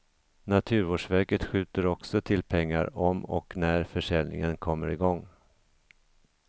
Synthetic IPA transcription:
nat̪ʰʉ̟ːɾvoːʂvæɾkət̪ɧʉ̟ːt̪əɾɔksɔt̪ʰɪlpʰɛŋːaɾɔmɔ̰knæɾfœʂɛlnɪ̰ŋənkʰɔmːəɾɪɡɔŋː

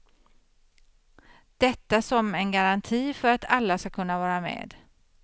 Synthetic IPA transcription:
d̪̥ɛt̪ːasɔmɛnɡaɾant̪ʰiːfœɾat̪ʰalːaskakʰɵnːavɑːɾamḛːd̪

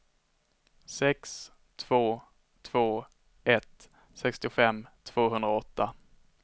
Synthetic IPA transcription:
sɛks | t̪ʰv̥oː | t̪ʰv̥oː | ʔɛt̪ | sɛkst̪ɪfɛmːt̪ʰv̥oːɦɵnd̪ɾaɔt̪ːa

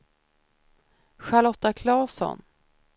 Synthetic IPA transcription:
ɧalɔt̪ːakʰlɑːsɔ̰n

